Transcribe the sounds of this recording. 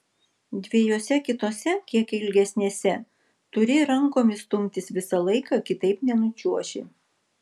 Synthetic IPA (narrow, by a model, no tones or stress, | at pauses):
d̪ʲʋʲiɛjoːsʲɛkʲɪt̪oːsʲɛkʲiɛkɪlʲɡʲɛsʲnʲeːsʲɛ | t̪ʊɾʲɪɾɐŋkoːmʲɪst̪ʊmʲt̪ʲɪsʋʲɪsɐlˠɐɪkɑkʲɪt̪ɐɪpnʲɛnʊt͡ʃʲuɔʃʲɪ̰